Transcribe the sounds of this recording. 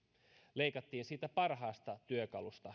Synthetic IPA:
le̞jkɑt̪ːiːnsiːt̪æpɑrɦɑːst̪ɑt̪yøkɑlust̪ɑ

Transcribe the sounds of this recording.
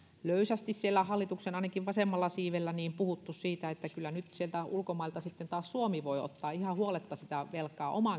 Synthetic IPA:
løysæst̪issielːæhɑlːit̪uksenɑˑinɑkiʋʋɑsemːɑlːɑsiːʋelːæniːmpuhut̪ːussiːt̪æet̪ːækylːˑænyt̪sielt̪æulkomɑilt̪ɑsit̪ːent̪ɑːssuomiʋoio̰t̪ːɑːihɑhuolet̪ːɑsit̪æʋelkːˑɑːʔomɑˑ

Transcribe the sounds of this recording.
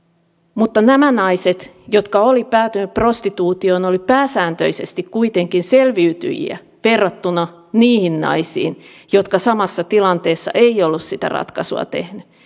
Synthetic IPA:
mut̪ːɑnæmænɑiset̪jot̪kɑolipæːt̪ynyppro̞st̪it̪uːt̪ionolipæːsæːnt̪ø̰isest̪ikkuit̪eŋkinselʋiyt̪y̰jḭæ̰ | ʋerːɑt̪ːunɑ | niːhinnɑ̰isḭːn | jot̪kɑsɑmɑsːɑt̪ilɑnt̪eːsːɑ̰ʔeiolːussit̪æ̰rɑ̰t̪kɑsṵɑ̰t̪ḛhny

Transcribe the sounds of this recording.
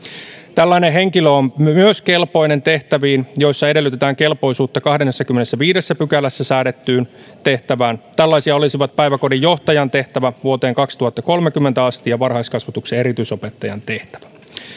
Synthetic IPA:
t̪ælːæineɦe̞ŋkiløommyøske̞lpo̞jne̞nt̪e̞ht̪æʋiːnjo̞jsːɑedelːˑyt̪e̞t̪æːŋke̞lpo̞jsuːt̪ːɑkɑhdenːesːɑk̟ymːenesːæʋiːdesːæpykælæsːæsæːɾet̪ːyːn | t̪e̞ht̪æʋæːnt̪ælːɑjsiɑolisiʋɑt̪̚pæjʋækodijjo̞ht̪ɑjɑnt̪e̞ht̪æʋæʋuot̪e̞ːŋkɑkst̪uhɑt̪ːɑko̞lmekymːent̪æɑst̪iɑʋɑrhɑiskɑsʋɑt̪uksee̞ɾit̪yiso̞pe̞t̪ːɑjɑ̰nt̪e̞ht̪æ̥ʋæ̥

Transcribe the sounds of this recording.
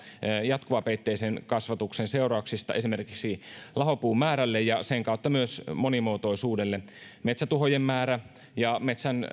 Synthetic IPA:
jɑt̪kuʋɑpeit̪ːeːsenkɑsʋɑt̪uksenseurɑuksist̪ɑ̰ʔesimerkiksilɑɦopuːmmæːɾælːejjɑseŋkɑut̪ːɑmyøsmonimoːt̪oisuːdelːe | met̪sæt̪uɦojemːæːɾæ | jɑmet̪sæn

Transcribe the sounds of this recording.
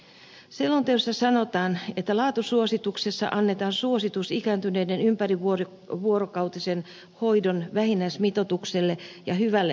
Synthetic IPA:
selːont̪eosːɑsɑnot̪ɑːnet̪ːælɑːt̪usuosit̪uksesːɑ̰ʔɑnːet̪ɑːnsuosit̪usikæːnt̪yneidenympæriʋor | ʋuoɾokɑut̪isen | hoidonʋæhinæismit̪ot̪ukselːejɑhyʋælːe

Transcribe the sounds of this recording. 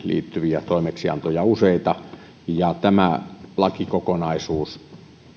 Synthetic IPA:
lḭːt̪ːyʋiæt̪oˑimeksiɑ̰nt̪ojɑuseit̪ɑ | jɑt̪æmælɑkikokonɑisuːs

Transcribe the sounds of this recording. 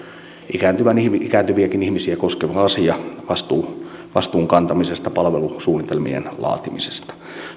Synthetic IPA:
ʔikæːnt̪yʋænihmiikæːnt̪yʋiækinihmisiækoskeʋɑɑsiɑʋɑst̪uːʋɑst̪uːŋkɑnt̪ɑmisest̪ɑpɑlʋelusuːnit̪elmḭḛnlɑ̰ːt̪imise̥st̪ɑ̥

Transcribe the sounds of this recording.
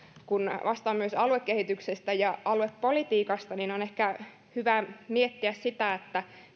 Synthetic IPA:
kunʋʔɑst̪ɑːmmyøsɑluekːehit̪yksest̪æjɑɑluweppːolit̪iːkɑst̪ɑnineonehkæ | hyʋæmiet̪ːiæssit̪æet̪ːæ

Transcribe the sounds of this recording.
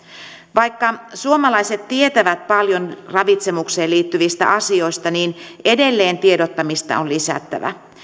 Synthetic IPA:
ʋɑjkːɑsuomɑlɑjse̞t̪t̪ːie̞t̪æʋæt̪̚pɑljo̞nrɑʋit̪se̞mukse̞ːliːt̪ːyʋist̪æ̰ʔɑsio̞jst̪ɑniːne̞de̞lːe̞ːnt̪iedot̪ːɑmist̪ɑ̰onlisæ̰t̪ːæ̰ʋæ̰

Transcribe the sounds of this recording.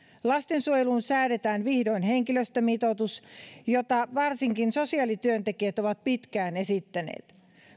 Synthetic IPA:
lɑst̪ensuojeluːnsæːɾet̪æːnʋihdo̞inheŋkiløst̪ømit̪ot̪usjot̪ɑʋɑrsiŋkinso̞siɑlit̪yønt̪ekiæt̪oʋɑt̪̚pit̪kæːne̞sit̪ːænḛːt̪

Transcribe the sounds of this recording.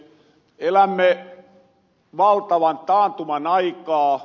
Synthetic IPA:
elæmːe | ʋɑlt̪ɑʋɑnt̪ɑːnt̪umɑnɑikɑː

